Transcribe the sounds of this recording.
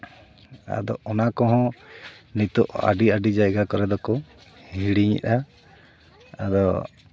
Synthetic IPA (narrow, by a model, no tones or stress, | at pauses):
a̰d̪ɔɔnakɔɦɔ̃nit̪ɔʔa̰ɖiaɖid͡ʒajɡakɔɾɛd̪ɔkɔ | hiɽiɲɛ̰ʔa | a̰d̪ɔ